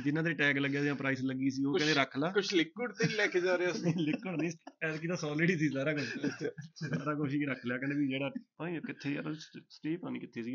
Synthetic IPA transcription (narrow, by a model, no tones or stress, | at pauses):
d͡ʒɪnãːd̪eːʈɛːkləɡjaːd͡ʒãːpɾaːɪːsləɡiːsiːoːkɛ̃eːɾəkʰlaːʊt͡ʃʰlɪkːəɽt̪elɛːkeːd͡ʒaːɾeasĩːlɪkːəɽnĩːɛːɾk̬iːt̪aːsɔːleɽiːsiːzaːɾaːkʊ | zaːɾaːkoʃiiɾəkʰleaːkɛ̃neːbiːd͡ʒeːɽaːãːĩːkɪt̪ʰːḛːɾsʈeːpaːniːkɪt̪ʰːeːsiː